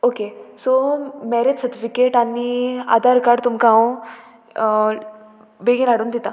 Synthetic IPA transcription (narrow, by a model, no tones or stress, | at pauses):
okesomɛɾed͡ʑsəɾt̪ifikeʈania̰d̪aɾkaɾɖt̪umkaõ | beɡilaɽuːnd̪it̪a